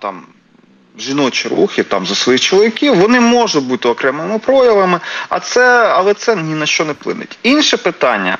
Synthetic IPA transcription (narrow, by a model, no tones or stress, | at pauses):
t̪ɑ̰m | ʒinɔt͡ʃɪɾṵxʲɪt̪ɑmzɐsʋɔjixt͡ʃɔlˠɔʋʲɪkʲiwʋɔnɪmɔʒʊt̚ʲbut̪ɪɔkɾɛmɪmɪpɾɔjɐʋˠɐmɪɐ̰t̪sɛɐlˠɛt̪sɛnʲinɐʃt͡ʃɔnɛplˠɪ̰nɪ̰tʲinʃɛpɪt̪ɑnʲːɐ̰